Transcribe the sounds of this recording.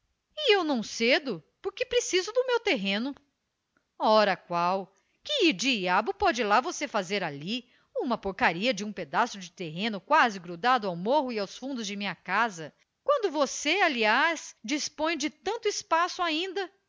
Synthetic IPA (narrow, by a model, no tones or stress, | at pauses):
ɪewnɐ̃w̃sed̪ʊpoɾkɪpɾesizʊd̪ʊmewt̪eɦẽnʊ | ɔɾɐkwaw | kɪid͡ʒiabʊpɔd͡ʒɪlavosefazeɾali | ũmɐpoɾkaɾiɐd͡ʒɪũped̪asʊd͡ʒɪt̪eɦẽnʊkwazɪɡɾud̪ad̪ʊawmoɦʊiawsfũnd̪ʊzd͡ʒɪmĩɲɐkazɐ | kwɐ̃nd̪ʊvosealiasd͡ʒispõj̃d͡ʒɪt̪ɐ̃nt̪ʊispasʊaĩnd̪ɐ